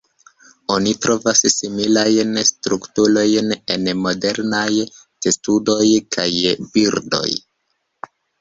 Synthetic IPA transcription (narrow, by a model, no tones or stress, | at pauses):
o̞nitɾo̞vassimilajnstɾuktulo̞jne̞nmo̞de̞ɾnaj | testudo̞jkʰajbiɾdo̞̰j